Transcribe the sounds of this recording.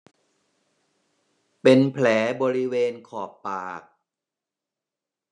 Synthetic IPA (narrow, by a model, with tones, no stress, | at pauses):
pe˧npʰlɛː˩˦bɔː˧ɾi˦˥weː˧nkʰɔː˨˩pːaː˨˩k̚